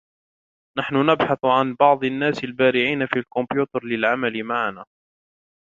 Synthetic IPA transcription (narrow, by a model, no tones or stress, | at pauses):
naħnʊnabħɑθʕanbɑʕd̪ˤanːaːsalbaːɾɪʕiːnafiːlkʊmbjuːt̪ɑɾˤlɪlʕamalmaʕanaː